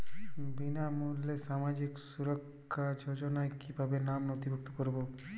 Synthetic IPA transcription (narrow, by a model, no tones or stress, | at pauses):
binamulːeʃamad͡ʑiksuɾokʰːad͡ʑod͡ʑonaekibʱabenamnot̪ibʱuk̚t̪okoɾbo